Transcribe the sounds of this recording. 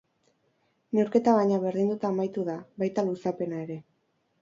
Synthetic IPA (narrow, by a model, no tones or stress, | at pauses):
ne̞wɾke̞t̪aβaɲaβ̞e̞ɾðind̪ut̪aːmajt̪uðaβajt̪alusape̞nae̞ɾe̞